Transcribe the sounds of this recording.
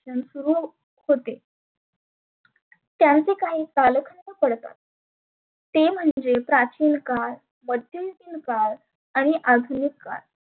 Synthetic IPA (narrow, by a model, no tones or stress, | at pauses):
ɕənsuɾuː | hot̪e | t̪jãnt͡sekaɦiːtaləkʰənnəpəɽt̪a̰t̪̚ː | em̤əɳɳd͡zepɾat͡ɕiːnkal | bəd̪iliːnkal | aɽ̃iʔad̪ʱunikːa̰ɾ